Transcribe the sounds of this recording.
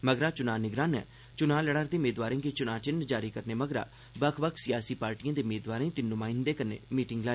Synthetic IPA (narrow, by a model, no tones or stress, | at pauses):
məɡɾaːt͡ʃʊnaːnɪɡɾãːnɛ̰ː | t͡ʃʊnaːləɽaɾd̪eːʊmeːd̪ʋaːɾẽːɡeːt͡ʃʊnaːt͡ʃɪnd͡ʒaːɾiːkəɾneːməɡɾa̰ː | bəkʰbəksɪjaːsiːpaːɾʈijãːd̪eːmeːd̪ʋaːɾẽːt̪ɪnʊmãːɪ̃nd̪eːkəɾnḛːmiːʈɪŋɡlaː